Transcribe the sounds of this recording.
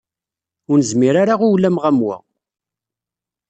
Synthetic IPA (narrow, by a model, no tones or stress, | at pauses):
ʊɾnəzmiɾaɾaʁuwlːæmʁæmwæ̰